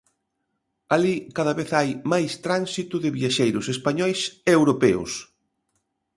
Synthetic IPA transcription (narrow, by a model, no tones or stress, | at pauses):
alikaðaβeθajmajst̪ɾansit̪ʊðɪβiaʃejɾʊsespaɲɔjsewɾopeʊ̰s